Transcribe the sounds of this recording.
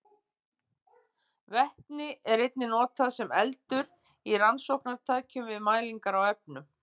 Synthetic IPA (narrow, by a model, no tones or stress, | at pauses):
vɛht̪nɪɛɾejt̪̚nɪnɔːt̪aðsɛmɛ̰lt̪ʏɾ | iransowhknaɾt̪ʰaːcʏmvɪðmaːjliŋkaɾawɛp̚nʏ